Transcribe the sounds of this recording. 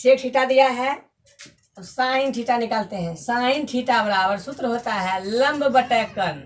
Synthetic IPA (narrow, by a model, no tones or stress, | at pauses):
ʃeːk̚ʰʈʰiːʈad̪ijaɦɛ | t̪osaːɪnʈʰiːʈanɪkəlt̪eɦɛ̃saːɪnʈʰiːʈabəɾaːbəɾsʊt̪ɾəɦoːt̪aɦɛlə̃mbʱbəʈɛkːəɾ